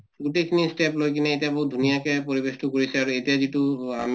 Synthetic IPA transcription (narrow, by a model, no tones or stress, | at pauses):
ɡutekʰinisʈɛplojk̬inɛejtijaboʊt̚dʱunijakɛpoɹibestukoɹisɛaɹuetijazitua̰m